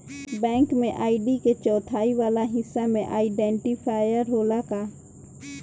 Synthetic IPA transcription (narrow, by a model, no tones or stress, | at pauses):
bɛ̃ːŋkmẽʔaːɪɖiket͡ʃɔːt̪ʰaːiʋaːlaɦɪsːamẽʔaːɪɖɛ̃ːɳʈipʰaːjəɾɦoːlakaː